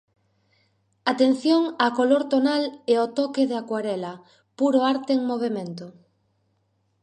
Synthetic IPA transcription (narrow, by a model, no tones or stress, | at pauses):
at̪en̟θjoŋakoloɾt̪onaleot̪ɔkeðakwaɾɛlɐ | puɾoaɾt̪eːŋmoβ̞emẽnt̪o